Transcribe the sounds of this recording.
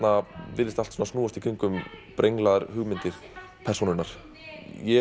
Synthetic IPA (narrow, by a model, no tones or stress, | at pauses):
navɪɾðɪst̪al̥t̪sɔnasnuːast̪i̥kʰʏŋkʏmpɾʔejŋklaðaɾhʏɣmɪnt̪ɪɾ̥ | pʰɛrsunʏɾnaɾ̥ | jɛ